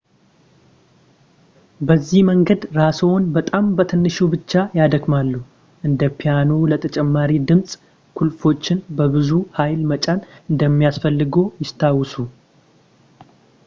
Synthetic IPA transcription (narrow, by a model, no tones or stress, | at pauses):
bəzːihməŋɡəd̪ɾasəwnbət̪ʼambət̪ʰɨnːɨʃubɨt͡ʃːajad̪əɡmalːu | ʔɨnd̪əpʰijanolət̪ʰət͡ʃʼɛmːaɾid̪ɨmsʼ | kʰulfo̞t͡ʃːɪnbəbɨzuhajlmət͡ʃʼanʔɨnd̪əmːijasfəlːɨɡo̞jɪst̪ʰawːɨsu